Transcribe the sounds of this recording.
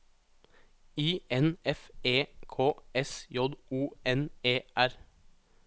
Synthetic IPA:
iːɛnɛfeːkʰoːɛsjɔd̪ʔuːɛneːʔæɾ

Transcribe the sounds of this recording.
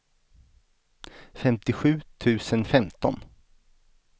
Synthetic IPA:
fɛmt̪ɪɧʉ̟ːt̪ʰʉ̟ːsənfɛmt̪ɔ̰n

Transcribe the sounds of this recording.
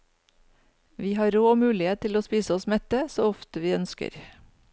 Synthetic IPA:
ʋiːhɑːɾoːoːmʉːlɪeːt̪ʰɪloːspiːsəɔsmɛt̪əsoːɔft̪əʋiːœnskə̰ɾ

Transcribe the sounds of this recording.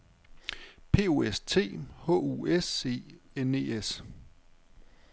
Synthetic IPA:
pʰe̝̰ːo̝ːest͡sʰe̝̰ːhɔ̰̽ːuese̝̰ːene̝ːes

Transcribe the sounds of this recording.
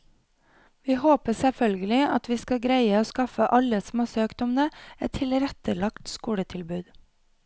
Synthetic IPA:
ʋiːhoːpəsɛfœlɡəlɪɑt̪ʋiːskɑɡɾæɪəoːskɑfəʔɑləsm̩ɑːsøːkd̪ɔmnəɛt̪ʰːɪlɾɛt̪əlɑkt̪skuːɽət̪ʰɪlbʉːd̪

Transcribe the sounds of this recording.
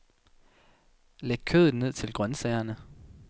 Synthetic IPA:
leɡ̥̚kʰøð̩ˠne̝ð̞̰ˠt͡sʰe̝lɡ̥ʁɶnsɛɪɐnə

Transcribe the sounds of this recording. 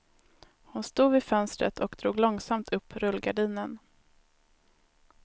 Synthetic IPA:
hʊnst̪uːd̪vɪfœnst̪ɾə̰t̪ʰɔkd̪ɾuːɡlɔŋsamt̪ʰɵpːɾɵlɡaɖiːnən

